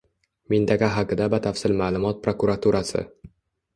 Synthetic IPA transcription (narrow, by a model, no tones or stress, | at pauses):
mɪnt̪ʰaqaɦaqɨd̪abat̪ʰafsɪlmaːlˠʊmɒt̪̚pɾokuɾat̪ʰuɾasɪ̰